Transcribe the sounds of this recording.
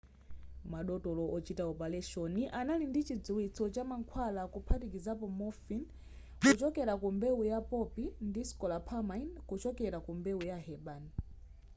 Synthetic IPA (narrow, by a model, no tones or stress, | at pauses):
maɗɔtɔlɔʔɔt͡ʃitaɔpalɛʃɔniʔanalindit͡ʃid͡zuwit͡sʰɔt͡ʃamaŋkʰwalakupʰatikizapɔmɔfin | kut͡ʃɔkɛɾakumbɛujapɔpindiskɔlapʰamainkut͡ʃɔkɛɾakumbɛujaɦɛɓan